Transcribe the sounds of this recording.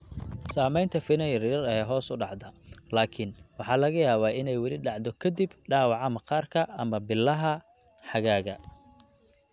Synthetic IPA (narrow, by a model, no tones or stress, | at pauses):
saːmɛjnt̪ʰɐfɪnɐjrɪɐɾɐjɛɦɔːsʊɖɑʕd̪ɐlaːkʰɪnwɑħɑːlɐɣɐjaːβaːɪnɛjwɑlɪɖɑʕd̪ɔkʰɐd̪ibɖaːwɑʕɑmɐqɑːrkʰɐɐmɐbɪlːɐɦɐ | ħɑɣaːɣɐ